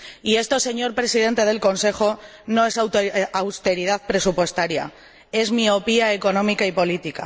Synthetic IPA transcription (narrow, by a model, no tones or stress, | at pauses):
ie̞st̪o̞se̞ɲo̞ɾpɾe̞siðe̞nt̪e̞ð̞e̞lko̞nse̞xo̞ | no̞e̞swawst̪e̞ɾiðaðpɾe̞supwe̞st̪aɾja̰ | e̞zmio̞piae̞ko̞nõ̞mikaipo̞lit̪ika̰